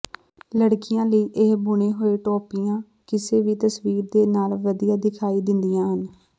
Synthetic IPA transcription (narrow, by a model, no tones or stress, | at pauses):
ləɽkɪjãːləiːʔeɦbʊɳ̃eːɦoːeːʈɔːpijãː | kɪseːʋiːt̪əsʋiːɾd̪eːnaːlʋəd̪ijaːd̪ɪkʰaːiːd̪ɪnd̪ijãːɦən